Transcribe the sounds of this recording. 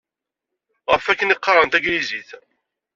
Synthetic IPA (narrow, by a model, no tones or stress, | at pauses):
ʁəfækːənɪqːɑɾˤənt̪æɡɾiziθ